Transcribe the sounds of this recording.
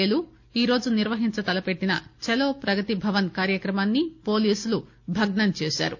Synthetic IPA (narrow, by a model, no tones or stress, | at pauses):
eːlu | iːɾo̞ːd͡ʒuniɾʋɐɦiɲt͡ʃɐt̪ɐlɐpe̞ʈːinɐ̰t͡ʃɛloːpɾɐɡɐt̪ibʱɐʋɐnkaːɾjɐkɾɐmaːnːipo̞ːliːsulu | bʱɐɡɳɐnt͡ʃeːʃa̰ːɾu